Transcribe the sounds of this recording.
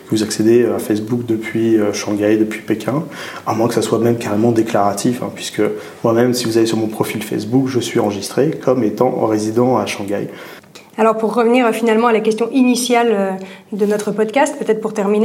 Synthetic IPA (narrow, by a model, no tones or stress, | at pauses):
kəvuzaksed̪eøafɛs̬bukd̪əpɥiøʃɑ̃ɡajd̪əpɥipekʰʲɛ̃ | amwɛ̃kəsaswamɛmkaʁemɑ̃d̪eklaʁat̪ʰifɛ̰̃pɥiskə | mwamɛmsivuzalesyʁmɔ̃pχɔfilfɛ̰sbukʒəsɥiɑ̃ʁəʒist̪χekʰɔmet̪ɑ̃ʁezid̪ɑ̃aʃɑ̃ɡa̰j | alɔʁpuʁːəvniʁfinalmɑ̃alakʲɛst̪jɔ̃ʔinisjalød̪ənɔt̪χəpɔd̪kʲast̪̚pøt̪ɛt̪χəpuʁt̪ɛʁmine